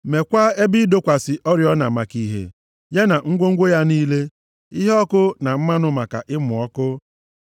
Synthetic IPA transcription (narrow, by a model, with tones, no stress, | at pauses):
me˨kʷa˦e˦bi˦do˦kʷa˨sɪ˨ʔɔ˦ɾjɔ˦na˨ma˨ki˦ɦḛ˨ | ja˦na˨ŋ̩˦ɡʷo˦ŋ̩˦ɡʷo˦ja˦niː˦le˦ | i˦ɦe˦ɔ˦kʊ˦na˨m̩˦ma˦nʊ˨ma˨ka̰˨ʔɪ˦mʊ˨ɔ˦kʊ˦